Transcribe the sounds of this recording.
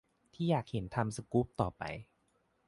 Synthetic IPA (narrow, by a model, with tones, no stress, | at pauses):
t̪ʰiː˥˩jaː˨˩k̚he˩˦nt̪ʰa˧msa˧ku˦˥p̚t̪ɔː˨˩pa̰˧j